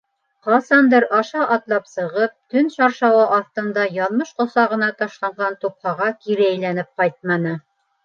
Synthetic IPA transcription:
qɑsɑnd̪ɤɾɑʃɑʔɑt̪lˠɑpsɤ̆ʁɤp̚t̪ɵnʃɑɾʃɑwɑʔɑθt̪ɤ̆nd̪ɑjɑlˠmɤʃqŏsɑʁɤ̆nɑt̪ɑʃlˠɑɴɢɑnt̪up̚hɑʁɑkiɾɘæjlænɘp̚qɑjt̪̚mɑnɤ

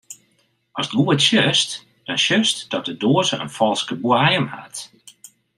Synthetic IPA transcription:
ɔstɡuətʃjøst | d̥ɔnʃøstd̥ɔt̚dədoəzəə̰nfɔlˠskəbwajəmha̰t

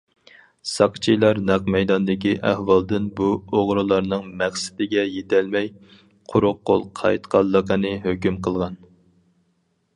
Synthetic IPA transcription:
sɑqt͡ʃʰijlˠɑɾnɑqmɛjd̪ɑnd̪ɪkʲiʔæ̰hwɑlˠd̪ɪnbuoʁɾɨlˠɑɾnɨŋmɛχsɪ̥d̪ɪɡʲɛjet̪ʰælmɛj | qʰʊɾʊqːo̰lˠqʰɑ̰jt̪qʰɑlˠːəqənɨɦøkʲymqʰəlˠʁɑn

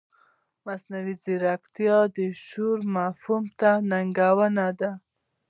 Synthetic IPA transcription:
masnawiziɾakt̪ijɑd̪əʃuɾmafumt̪anaŋɡawənad̪a

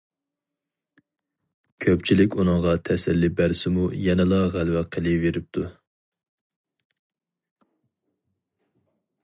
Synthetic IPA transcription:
kʲʰøpt͡ʃʰilɪkʲunɨŋʁɑt̪ʰɛsɛlːibæɾsɪmujɛnɛlˠɑʁælvæqʰəlˠɨveɾɪp̚t̪ʰu

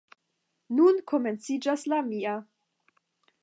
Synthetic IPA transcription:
nunkʰo̞me̞nt͡sid͡ʒaslamia

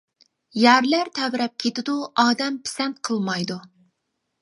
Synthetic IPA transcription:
jæɾlæɾt̪ʰɛvɾɛp̚kʲʰet̪ɪd̪uɑːd̪ɛmpʰi̥sɛnt̪qʰəlˠmɑjd̪u

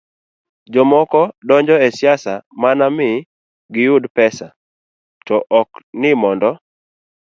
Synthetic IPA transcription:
d͡ʒɔmɔkɔdɔɲd͡ʒɔɛsjasamanamɪ | ɡɪjʊdpɛsa | tɔʔɔknɪmɔndɔ

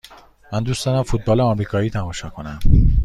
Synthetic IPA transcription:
mænd̪uːsd̪ɒːɾæmfut̪̚bɒːleɒmɾiːkʰɒːiːt̪ʰæmɒːʃɒːkʰo̞næm

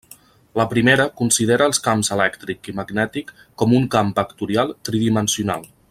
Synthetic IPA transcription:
ləpɾimeɾəkunsiðeɾəːlˠskamzəlɛkt̪ɾikiməɡnɛt̪ikːɔmuŋkampəkt̪uɾialˠt̪ɾiðimənsiuna̰lˠ

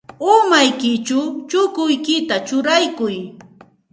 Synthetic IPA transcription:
ʊmajkɪt͡ʃʊt͡ʃʊkʊjkɪt̪at͡ʃʊɾajkʊj

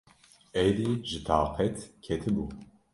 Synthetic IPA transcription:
ɛjɾiːʒɨt̪ʰɑːqʰɛt̪kʰɛt̪ʰɨbu

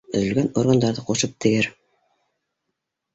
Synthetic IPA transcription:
ɵ̆ðɵ̆lɡænoɾɡənd̪ɑɾðɤquʃɤp̚t̪ʰɘ̆ɡɘɾ

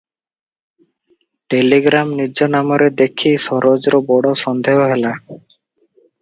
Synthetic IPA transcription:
ʈeliɡɾamnid͡ʒonamoɾed̪ekʰːisɔɾod͡ʑɾobɔɽoʃɔnd̪ʱeɦoɦela

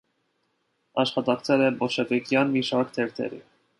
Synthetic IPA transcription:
ɑʃχɑt̪ɑkt͡sʰɛlɛbɔʃɛvɛkjɑnmiʃɑɾkt̪ʰɛɾt̪ʰɛ̰ɾḭ

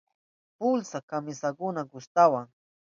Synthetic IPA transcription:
pʊlsakamɪsakʊnaɡʊʃt̪awaŋ

